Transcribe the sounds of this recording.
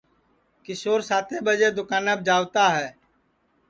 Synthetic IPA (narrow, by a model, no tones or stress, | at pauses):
kɪsoːɾsaːt̪ʰeːbəd͡ʒeːd̪ʊkaːnəb̚d͡ʒaːʋt̪aːɦɛː